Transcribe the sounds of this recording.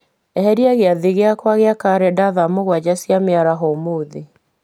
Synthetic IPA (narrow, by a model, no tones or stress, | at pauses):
ɛhɛɾiaɣeaðiɣeakwaɣeakaɾɛdaðamoɣwad͡ʑasjameaɾaɦɔmoːði